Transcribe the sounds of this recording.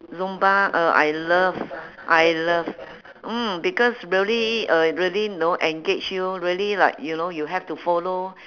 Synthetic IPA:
zũmbaəʔa̰jləv | ʔajləv | m̩bikɔsɹiəliʌɹiəlinoʔɛ̃ŋɡet͡ʃjuɹiəlilaɪk̚junojuɦɛftufɔlo

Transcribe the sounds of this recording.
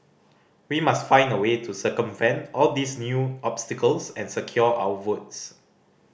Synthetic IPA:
wimastfãɪ̃ndəwetʰusəkə̃mfɛ̃nsɔldisnjuʔɔpstikəlsɛ̃nsəkʰjɔʔa̰wəvots

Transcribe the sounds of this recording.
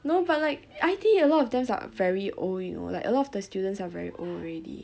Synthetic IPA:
nobat̚laɪkajt̪ʰĩŋkəlɔtɔfdãmsa̰vɛɹiʔo̰ljuno̰la̰ɪkʔə̰lɔtɔfdəstjudə̃ntsavɛ̰ɹḭʔolɹedḭ

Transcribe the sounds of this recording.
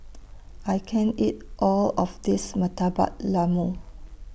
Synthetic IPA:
ʔajkʰɛ̃nit̚ʔɔlɔfdismətaba̰t̚lamu

